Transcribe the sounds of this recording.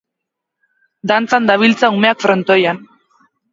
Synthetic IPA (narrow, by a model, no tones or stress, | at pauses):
d̪ant͡sand̪aβilt͡saume̞akfɾo̞nt̪ojan